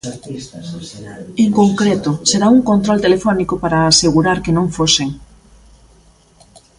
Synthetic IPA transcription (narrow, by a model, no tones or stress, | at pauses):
eŋkoŋkɾet̪ʊseɾauŋkont̪ɾolt̪elefɔnikopaɾaːseɣuɾaɾkenõŋfoseŋ